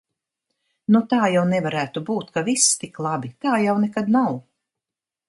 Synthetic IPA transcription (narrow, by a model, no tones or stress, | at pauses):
nut̪aːjawnɛvaɾæːt̪ubuːt̪kavist̪iklˠabit̪aːjawnɛkad̪naw